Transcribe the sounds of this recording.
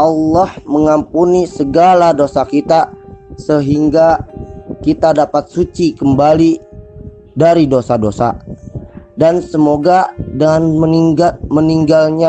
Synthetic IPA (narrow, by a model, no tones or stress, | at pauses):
ʔɑlːɔhməŋampunisəɡaladosakit̪asəɦiŋɡa | kit̪adapat̪̚sut͡ʃikəmbali | daɾidosadosa̰ | dansəmoɡadənməməniŋɡalɲa